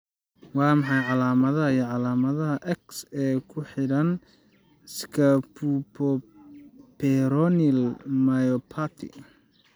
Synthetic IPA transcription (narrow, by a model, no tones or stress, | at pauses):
wɑːmɑħɑjʕɑlaːmɐðɐɦɐijɔʕɑlaːmɐðɐɦɐʔɛksɛːkʰʊħɪɽɐn | skʰɐpupʰɔ | pʰɛɾɔnilmajɔpʰat̪ʰɪ̰